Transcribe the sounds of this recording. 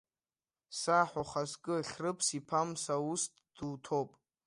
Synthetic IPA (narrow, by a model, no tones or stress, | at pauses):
saħaχaskʼɨɬʲrɨpʰsipʰamsaustʼd̥ɨwtʰopʼ